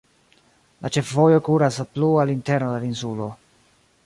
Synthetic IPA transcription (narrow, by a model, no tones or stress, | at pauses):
lʔat͡ʃe̞fvo̞jo̞kuɾasplualinteɾnodelinsulo̞